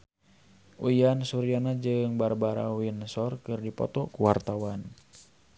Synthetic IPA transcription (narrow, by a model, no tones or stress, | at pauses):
ʔujansuɾianad͡ʒɨŋbarbaɾa̰winsɔrkɨrdipɔ̰t̪ɔkuwart̪awan